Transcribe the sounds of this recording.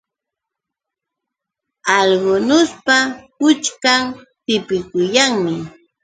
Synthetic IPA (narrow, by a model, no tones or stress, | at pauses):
ɑʎɢʊnʊspakʊt͡ʃkamt̪ɪpɪkʊjaŋmɪ